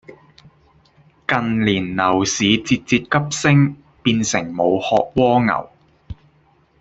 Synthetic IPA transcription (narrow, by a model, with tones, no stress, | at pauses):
kɐ˨nliː˨˩nnɐ˨˩wsiː˨˧t͡siː˧t̚t͡siː˧t̚kɐ˥p̚sɪ˥ŋ | piː˧nsɪ˨˩ŋmo˨˧whɔː˧k̚wɔː˥ŋɐ̰˨˩w